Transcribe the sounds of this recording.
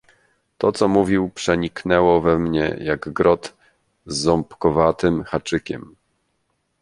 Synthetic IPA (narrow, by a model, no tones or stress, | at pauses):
t̪ɔt̪sɔmuvʲiwpʂɛɲiknɛwɔvɛmɲɛ̰jaɡɡɾɔt̪ | zːɔmpkɔvat̪ɘmxat͡ʂɘkʲɛ̰m